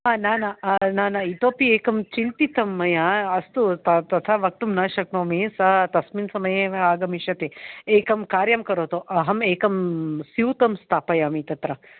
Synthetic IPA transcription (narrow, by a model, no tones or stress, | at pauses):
aːnaːnɐnaːnɐit̪oːpieːkɐmt͡ʃint̪it̪ɐmːɐjɐɐst̪ut̪ɐt̪ɐt̪ʰɐʋɐk̚t̪umnaːʃɐk̚noːmesɐt̪ɐsminsɐmɐjeaːɡɐmiʃɐt̪eeːkɐmkaːɾjɐmkɐɾoːt̪oʔɐɦɐmeːkɐmsiwt̪ɐmst̪ʰaːpɐjɐːmit̪ɐt̪ɾɐ